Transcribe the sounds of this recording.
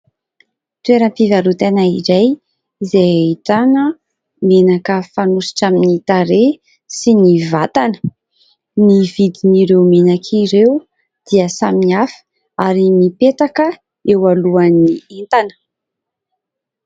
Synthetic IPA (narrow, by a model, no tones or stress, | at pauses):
t̪uweɾəmpivaɾut̪enaḭzaj | zejaiʈ͡ʂanə | menakəfanusi̥ʈ͡ʂaminit̪aɾe | sinivat̪anə̥ | nivid̪iniɾewmenakʰiɾewu | d̪̥iəsaminiafə̥ | aɾimipet̪akə | ewaluanːient̪anə̥